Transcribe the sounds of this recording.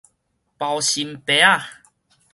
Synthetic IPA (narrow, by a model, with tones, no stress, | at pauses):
pa˨˩wɕi˨˩mpe˨˧˦a˦˨